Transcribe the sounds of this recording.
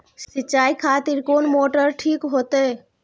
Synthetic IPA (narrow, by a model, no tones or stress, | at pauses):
sitːʃaːikʰat̪iɾkoːnmoʈəɾʈʰiːkɦot̪e